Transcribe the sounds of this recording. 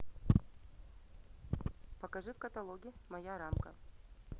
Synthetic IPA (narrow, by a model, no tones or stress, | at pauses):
pɐkɐʐɨfkɐt̪ɐlˠoɡʲɪmɐjaɾamkə̰